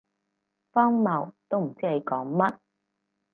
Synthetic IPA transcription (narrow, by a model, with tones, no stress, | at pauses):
fɔː˥ŋmɐ˨˩wt̪o˥wm̩˨˩t͡siː˥le˨˧jkɔː˨˥ŋmɐ˦˥t̚